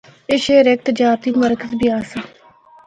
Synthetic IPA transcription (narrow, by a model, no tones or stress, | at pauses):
ɪʃeːɾek̚t̪əd͡ʒaːɾt̪iməɾkəzbʱiaːsa